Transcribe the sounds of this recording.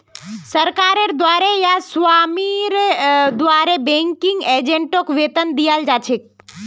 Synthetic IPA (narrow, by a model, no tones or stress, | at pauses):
sɐɾkaːɾeɾd̪waːɾejasʋaːmiɾd̪ʋaːɾebẽŋkɪŋɡeːd͡ʒẽɳʈokʋeːt̪ənd̪ijaːld͡ʒaːt͡ʃʰek̚